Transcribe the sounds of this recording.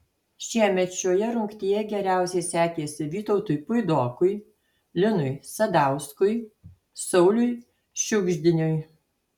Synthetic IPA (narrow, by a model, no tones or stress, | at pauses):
ʃʲiɛmʲɛt̪ʃʲoːjɛɾʊŋkt̪ʲijɛɡʲɛɾʲæˑʊsʲɛɪsʲæːkʲeːsʲɪʋʲiːt̪ɔʊt̪ʊjpʊɪd̪oːkʊɪ | lʲɪnʊɪsɐd̪ɑˑʊskʊj | sɔʊlʲʊɪ | ʃʲʊɡʒʲd̪ʲɪnʲoj